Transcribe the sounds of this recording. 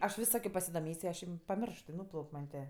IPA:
ɐʃ ˈʋʲɪs ˈsɑːkʲoː pɐsʲɪdoːˈmʲeːsʲ ɪ ˈɐʃ ɪm pɐˈmʲɪrʃt ɪ ˈnuːplˠɐʊkʲ mɐnʲ tʲeː

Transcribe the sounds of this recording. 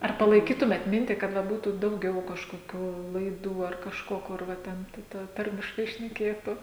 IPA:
ɐr pɐlˠɐɪˈkʲiːtʊmʲeːt ˈmʲɪnʲtʲiː kɐt ʋɐ ˈbuːtuː dɐʊˈɡʲɛʊ kɐʃkoːˈkʲuː lˠɐɪˈduː ɐr kɐʃˈkoː kʊr ˈʋɐ ˈtʲɛn tɐɪ ˈtɐ ˈtɐrʲmʲɪʃkɐɪ ʃʲnʲɛˈkʲeːtʊ

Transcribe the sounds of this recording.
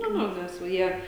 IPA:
ˈnʊ ˈnʊ nʲɛs ˈʋɐ ˈjiɛ

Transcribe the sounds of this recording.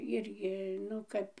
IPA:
ˈɪrʲɡʲɪ ˈnʊ kɐp

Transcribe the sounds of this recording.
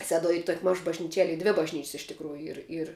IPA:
ˈsʲæːduɔj ˈiː ˈtuɔkʲ ˈmɐʃ bɐʒʲnʲiːˈt͡ʃʲiɛlʲ ˈiː ˈdʲʋʲɪ bɐʒʲˈnʲiːt͡ʃʲsʲ ɪʃ tʲɪkˈruːjʊ ˈiːr ɪr

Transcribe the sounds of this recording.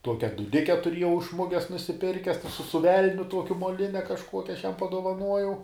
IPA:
ˈtuɔkʲɛ dʊˈdʲɪkʲɛ tʊˈrʲiɛjɛʊ ɪʃ ˈmʊɡʲɛs nʊsʲɪˈpʲɪrʲkʲɛs sʊ ˈʋʲɛlʲnʲʊ ˈtuɔkʲʊ moːˈlʲɪnʲɛ kɐʃˈkuɔkʲɛ ˈɐʃ ˈjɛm pɐdoːʋɐˈnuɔjɛʊ

